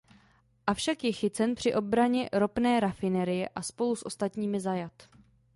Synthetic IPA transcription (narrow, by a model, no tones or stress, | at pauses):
ʔafʃakjɛxɪt͡sɛnpr̝̥ɪʔo̞bɾaɲɛɾo̞pnɛːɾafɪnɛɾɪjɛʔaspo̞lusʔo̞st̪at̪ɲiːmɪzajat̪